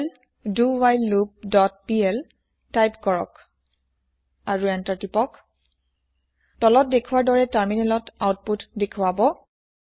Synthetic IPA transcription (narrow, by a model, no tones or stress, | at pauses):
l | duwajlːup̚dɔt̚piɛl | tajpkɔɹɔ̰k | aɹuɛntaɹtipɔk | tɔlɔt̚dekʰuwaɹdɔɹɛtaɹminɛlɔtawt̚putdekʰuwabɔ